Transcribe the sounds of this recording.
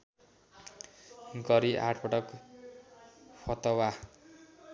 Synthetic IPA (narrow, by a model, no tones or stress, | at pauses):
ɡʌɾiʔa̰ʈʰpʰʌʈʌk | pʰʌt̪ʌwa